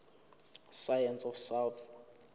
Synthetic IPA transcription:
sajɛnsɔfsawθ

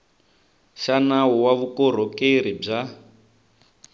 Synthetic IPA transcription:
ʃanaɔwaβukɔɾ̤ɔkeɾib͡ʐa

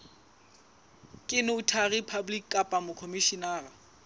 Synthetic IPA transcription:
kʼɪnɪʊtʰaripʰablikːʼapʼamʊkʰomiʃinaːra

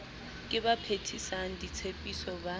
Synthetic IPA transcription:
kʼɪbapʰetʰisaŋ̩dit͡sʰepʼisɔba

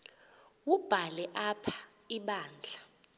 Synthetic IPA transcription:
wub̥ʱalɛʔapʰḁ | iɓaːnd͡ɮʱa

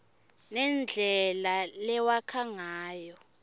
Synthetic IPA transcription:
nɛnd͡ɮʱɛlalɛwakʰaŋaːjɔ

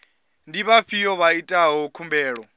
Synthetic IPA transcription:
ndiβafijɔβaitʼaɦɔkʰumbɛːɺɔ

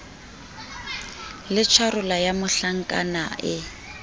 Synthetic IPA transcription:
lɪt͡ʃʰwaɾʊlajamʊɬaŋ̩kʼa̰naʔɪ

